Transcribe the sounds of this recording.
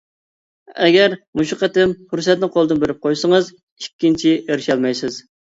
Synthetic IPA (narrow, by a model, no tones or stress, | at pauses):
ɛɡʲɛɾmuʃuqʰæt̪ɪmχuɾsɛt̪̚nɪqʰolˠd̪ɨnbeɾɪp̚qʰojsəŋəz | ikʲːint͡ʃʰiʔeɾʃɛlˠmɛjsɪz